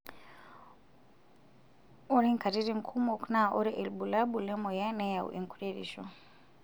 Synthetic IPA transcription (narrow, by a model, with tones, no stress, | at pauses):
ɔ˦ɾɛ˦ŋka˨ɾi˦ɾi˦ŋ̩kʰu˦mɔknaʔɔ˦ɾɛ˦ʔɛ˨lbu˨la˦ɓulɛ˦mɔ˨ja˦nɛ˦ja˨ṵʔɛ̰˨ŋkuɾiɾḭ˨ʃɔ̰